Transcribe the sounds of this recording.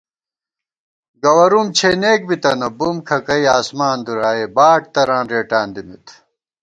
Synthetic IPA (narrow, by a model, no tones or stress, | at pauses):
ɡɐwɐɾumt͡ɕʰeːneːk̚bit̪ɐnɐbumkʰɐkɐiaːsmaːnd̪uɾaːebaːʈ̚t̪ɐɾãːnɾeːʈaːnd̪imit̪ʰ